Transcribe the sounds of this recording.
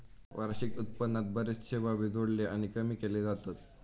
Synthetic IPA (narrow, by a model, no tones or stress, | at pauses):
ʋaɾɕikut̪pənːat̪̚bəɾisɕeʋaʋid͡z̪ʱoɽleañikəmiːkeled͡zat̪at̪